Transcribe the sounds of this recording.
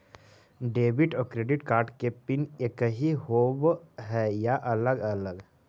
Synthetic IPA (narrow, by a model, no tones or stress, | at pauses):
ɖeːbɪʈɔːɾkɾeːɖɪʈkaːɾʈkepɪnekɦiɦoːbɦɛjaʔɐləɡələɡ